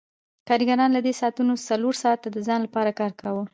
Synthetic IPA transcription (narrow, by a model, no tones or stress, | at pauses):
kɑɾiɡaɾɑnlad̪esɑːt̪unosaloɾsɑt̪ːad̪əzɑnlapɑɾakɑɾkʰawə